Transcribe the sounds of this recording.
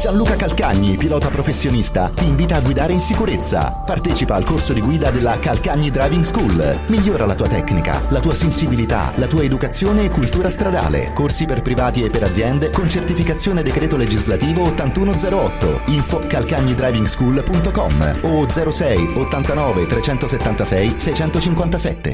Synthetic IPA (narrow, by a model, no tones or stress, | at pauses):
sanluːkakalkaɲːipilɔːt̪apɾofesːjonist̪a̰t̪iːɱviːt̪aːɡːwid̪aːɾeinsikuɾet̪sːa̰ | part̪ɛːt͡ʃipaːlkorsod̪iɡwiːd̪ad̪elːakalkaɲːid̪ɾajviŋɡskulmiʎːoːɾalat̪uːat̪ɛkːnika̰lat̪uːasensibilit̪a̰lat̪uːaed̪ukat̪sːjoːneːkːult̪uːɾast̪ɾad̪a̰ːlḛkorsiperpɾivaːt̪iepːeɾad̪zːjɛnd̪ekont͡ʃert̪ifikat̪sːjoːned̪ekɾɛːt̪oled͡ʒizlat̪iːvoot̪ːant̪uːnod̪zɛːɾoɔt̪ːo̰iɱfokalkaɲːid̪ɾajviŋɡskulpunt̪okɔ̰mod̪zɛːɾosɛjot̪ːant̪anɔːvet̪ɾet͡ʃɛnt̪oset̪ːant̪asɛjsɛjt͡ʃɛnt̪ot͡ʃiŋkwant̪asɛt̪ːḛ